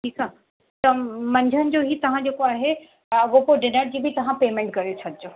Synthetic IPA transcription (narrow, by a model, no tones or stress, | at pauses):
ʈʰiːka | t̪ɐmɐ̃ɲd͡ʑʱənɪ̆d͡ʑoɦiːt̪ɐʋ̤ãd͡ʑeːkoaːɦe | ɐɡopoɖɪnəɽ̚d͡ʑiːbʱɪt̪ɐʋ̤ãpeːmẽɳʈ̚kɐɾijot͡ɕʰɐd̪ʱɪd͡ʑoː